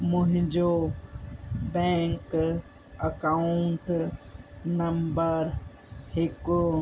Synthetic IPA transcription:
mʊ̃ɦɪ̃ɲd͡ʑo | bɛ̃ːŋk | əkaʊʊɳʈ | nɐmbəɾ | hɪkʊ

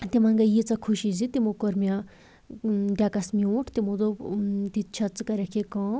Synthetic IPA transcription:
t̪imɐ̃ŋɡɐjit͡sakʰuʃizit̪imukoɾmjã | ɖʲaːkɐsmiũːʈʰt̪imũd̪ot̪it͡ʃʰɐt͡sɨkɐɾɐkʰekãː

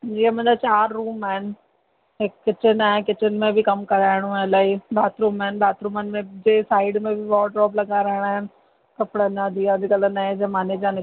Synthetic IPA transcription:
d͡ʑiːə̃mɐ̃nd̪at͡ɕaːɾːuːmaːɦɪnɪ̆ | ɦɪkːɪt͡ɕɪnaːɦɪ̃nkɪt͡ɕɪnɪ̆mẽbʱɪkɐmkɐɾaːɪɽ̃ũalaːiɗaːt̪ʰɾuːmaːɦɪn̆baːt̪ʰɾuːmənɪ̆mẽd͡ʑeːsaːɪɖmẽbʱɪʋɔːɖɾɔːblɐɡaːɾaːɪɽ̃aːɦɪnɪ̆ | kɐpɪɽənad̪ʱiad̪ɪkələnaːɦẽd͡ʑɐmaːned͡ʑãnɪ

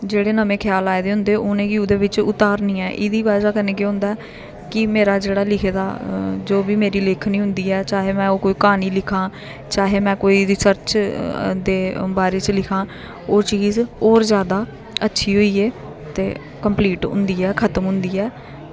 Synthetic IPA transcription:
d͡ʒeːɽeːnəmẽːkʰjaːlaːed̪eːɦʊ̃nd̪eːʔʊnẽːɡiuːd̪eːʋɪt͡ʃʊt̪aːɾnĩːɛːʔɪd̪iːʋaːd͡ʒaːkəneːkeɦʊ̃nd̪aːɛː | kɪmeːɾaːd͡ʒeːɽaːlɪkʰed̪a̰ːd͡ʒoːbiːmeːɾiːlɪkʰniːɦʊ̃nd̪iːɛːt͡ʃaːɦeːmɛ̃ːoːkoːiːkaːniːlɪkʰãː | t͡ʃaːɦeːmɛ̃ːkoːiːɾɪsəɾt͡ʃ | d̪eːbaːɾeːt͡ʃəlɪkʰãː | oːt͡ʃiːzɔːɾzjaːd̪aː | ətːʃʰiːɦoːiːeː | t̪ḛː | kəmpliːʈɦʊ̰nd̪iːɛːkʰət̪əmɦʊ̃nd̪iːɛː

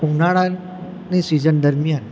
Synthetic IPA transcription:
ũnaɭa | nisizənd̪əɾmijan

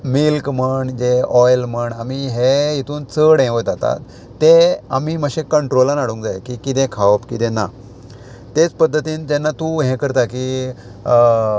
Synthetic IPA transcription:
milkməɳd͡ʑeɔjlməɳamiɦeit̪uːnt͡səɽɛ̃ʋət̪at̪a̰t̪ː | ea̰miməɕẽkəɳʈɾolanaɽuːŋkd͡zajkikit̪ɛ̃kʰaʋəpkit̪ɛ̃na̰ | t̪et͡spəd̪ʱːət̪iːnd͡ʑenːat̪uɦɛ̃kəɾt̪aki

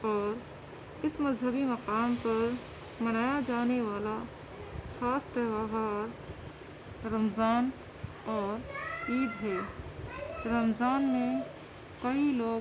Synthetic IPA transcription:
ɔːɾ | ɪsməzɦəbiməqaːmpɐɾ | mənaːjad͡ʒaːneʋaːla | saːst̪əbaɦaːɾ | əmzaːn | ɔːɾiːd̪ɦɛː | ɾəmzaːnmẽ | kəiloːɡ

